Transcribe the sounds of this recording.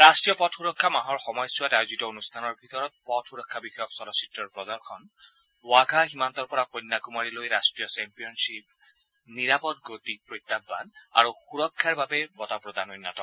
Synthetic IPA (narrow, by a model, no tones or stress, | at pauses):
ɹastɹijɔpɔtʰxuɹɔkʰːamaɦɔɹxɔmɔjsuwatajuzitɔonustʰanɔɹbʱit̪ɔɹɔt̪̚pɔtʰxuɹɔkʰːabixɔjɔksɔɾɔsi̥tːɔɹpɹɔd̪ɔɹxʰɔn | waɡʱaximant̪ɔɹpɔɹakojnːakumaɹilojɾasʈɹijɔsɛmpijɔnsip̚ | niɹapɔt̚ɡot̪ipɹojt̪ːabːa̰na̰ɹuxuɹɔkʰːaɹbabɛbɔtapɹɔd̪anojnːatɔk